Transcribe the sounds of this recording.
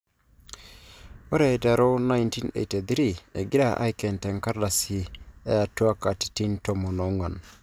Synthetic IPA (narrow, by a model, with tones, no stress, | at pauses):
o˦ɾe˨da˨ɾo˦na˦jnti˦nḛ˨te˨d̪ɾi˨e˨ɡi˦ɾa˨ʔa̰˦jkɛ˨nte˨ŋka˦ɾda˨si˨e˦a˨tu˦a˦ka˨ti̥˨ti˦nto˨mo˨no˨˦ŋɡa˨n